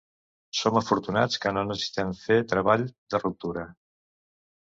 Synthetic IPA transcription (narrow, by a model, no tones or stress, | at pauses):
soməfuɾt̪una̰t͡skənonəssi̥t̪ɛmfet̪ɾəβaʎd̪ərup̚t̪uɾə